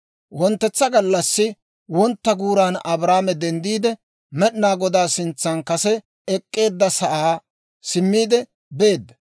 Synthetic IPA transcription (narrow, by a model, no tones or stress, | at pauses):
wɔnt̪ːɛt͡sːɐɡɐlːɐsːɪ | wɔnt̪ːɐɡuːɾaːnɐbɾaːmɛd̪ɛnd̪iːd̪ɛ | mɛɗnaːɡɔd̪aːsɪnt͡sːɐnkɐsɛ | ɛkʼːe̞ːd̪ːɐsɐʔaː | sɪmːiːd̪ɛ | be̞ːd̪ːɐ̥